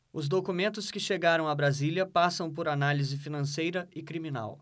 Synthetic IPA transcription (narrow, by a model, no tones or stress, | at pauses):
ʊzd̪okumẽnt̪ʊskɪʃeɡaɾɐ̃w̃abɾazilʲɐpasɐ̃w̃poɾanalizɪfinɐ̃sejɾɐɪkɾimĩna̰w